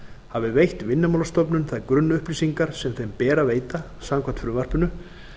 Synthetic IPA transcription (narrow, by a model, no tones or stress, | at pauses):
havɪvejht̪vɪnːʏmawlast̪ɔpnʏnθaðkɾʏnːʏʏhplisiŋkaɾ̥sɛmθejmpɛːɾaveːjt̪a | saːmkʰvam̥t̪fʏɾʏmvar̥pʏnʏ